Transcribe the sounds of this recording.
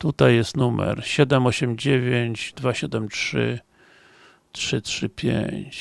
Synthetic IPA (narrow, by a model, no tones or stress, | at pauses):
t̪ut̪ajːɛst̪numɛ̰ɾɕɛd̪ɛmɔɕɛmd͡ʑevʲjeɲt͡ɕd̪vaɕɛd̪ɛmtʂɘ̰ | tʂɘtʂɘpʲjḛɲt͡ɕ